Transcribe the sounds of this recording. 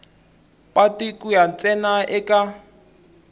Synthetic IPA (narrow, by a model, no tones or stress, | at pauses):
pʼatikʼujan̩t͡sʼɛnaʔɪkʼa